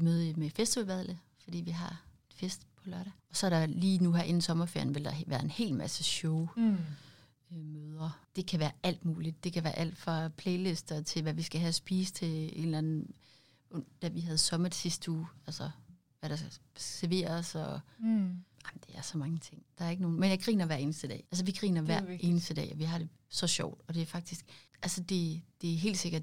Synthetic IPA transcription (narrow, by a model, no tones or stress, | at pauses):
imøð̞ˠimefesd̥iʋælʋæðˠləfɒd̥ḭːʋiɦɑ̈e̝d̥fesd̥pʰɒ̽lɶɐɾ̥æɒ̽sɒ̽æɐɾ̥ɑ̈liːnuɦæɐʔe̝n̩sɒ̽mɐfḛɐ̰jn̩ʋe̝ld̥ɑ̈ʋæːɐe̝nhe̝̰ːlmæsəɕɔʊ | møːð̞ˠɐd̥e̝kʰæʋæːɐæl̰d̥muːlid̥ːe̝kʰæʋæːɐʔæl̰d̥fʁɑ̈pʰleɪle̝sd̥ɐt͡sʰe̝lʋæʋisɡ̥æɦæsb̥iːst͡sʰe̝e̝̰ːnlæn̩ | ɔ̽n̰̥ːæʋiɦæð̞̩ˠsɒ̽mɐd̥sisd̥əṵːælsɐ | ʋæɾ̥ɑ̈sɡ̥æsæɐʋe̝̰ːɐsɒ̽ | aɪmnd̥eæɐsɒ̽mɑ̈ŋət͡sʰe̝ŋ̰d̥ɑ̈æɐe̝ɡ̥əno̝ːn̩menjɑ̈ɡ̥ʁḭːnɐʋæɐ̰e̝ːnəsd̥əd̥ɛ̰ːʔælsɒʋiɡ̥ʁḭːnɐʋæɐ̰ʔe̝ːnəsd̥əd̥ɛ̰ːɒʋiɦɑ̈ɾ̥e̝ | sɒ̽ɕɒʊ̰d̥ɒ̽d̥e̝æfɑ̈ɡ̥̚d̥isɡ̥ælsəd̥e̝d̥e̝æɐɦe̝̰ːldse̝ɡ̥ɐd̥